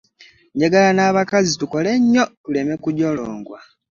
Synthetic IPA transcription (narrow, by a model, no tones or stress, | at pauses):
ɲɟaɡalanaːβakazituko̞leɲːo̞tule̞mekudoloːŋɡwa